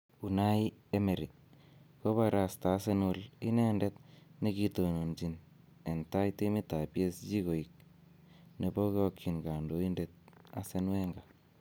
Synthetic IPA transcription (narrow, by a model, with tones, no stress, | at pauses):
u˨na˦i˦e˦me˨ɾi˨ | ko˦βa˨ɾa˨staː˨˦se˦nʊ˦lḭ˦ne˦nde˦t̪ni˦ki˦˧to˨no˨nd͡ʒi˨n | e˨nta˦ite˦mi˦ta˨pje˦sd͡ʒi˦ɡo˨i˨k̚ | ne˨bo˦kɔ˧kʰːi˨nɡa˨ndo˨˦i˦nde˨t̪̚a̰˦se˦nwe˦ŋɡa˨